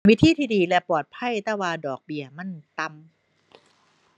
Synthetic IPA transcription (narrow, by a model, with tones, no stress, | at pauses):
wi˦˥t̪ʰiː˥t̪ʰiː˧˩diː˧lɛ˧pɔː˨˩t̪̚pʰa˧˥˩jt̪aː˥˩waː˧dɔː˨˩k̚bi˨˩əma˧˥˨nt̪a˧m